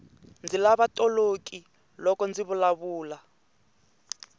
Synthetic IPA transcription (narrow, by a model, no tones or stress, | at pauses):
nd͡zilaβatʼolokʼi | lɔkɔnd͡ziβulaβuːla